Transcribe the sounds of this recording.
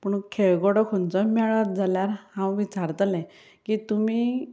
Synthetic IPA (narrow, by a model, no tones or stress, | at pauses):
puɳkʰeɭɡɔɽɔkʰont͡sɔmɛɭʋat̪̚d͡zaljaɾhãwʋit͡saɾt̪alɛ̃ | kit̪umi